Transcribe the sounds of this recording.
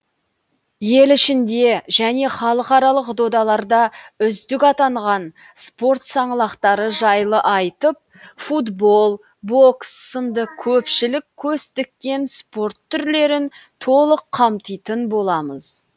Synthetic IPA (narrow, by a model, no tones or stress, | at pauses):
je̞lɪʃɪnd̪e̞ʒæne̞χɑlˠəqɑɾɑlˠəqd̪o̞d̪ɑlˠɑɾd̪ɑʏzd̪ɪkɑt̪ɑɴʁɑn | spo̞rt̪sɑɴlˠɑqt̪ɑɾəʒɑjlˠəʔɑjt̪əp̚fud̪bo̞lˠ | bo̞ksːənd̪əkʲʰɵpʃɪlɪkʲʰːɵst̪ɪk̚ːʲe̞nspo̞rt̪ʰːʏɾle̞ɾɪnt̪ʰo̞lˠəqʰːɑmt̪əjt̪ənbo̞lˠɑməz̥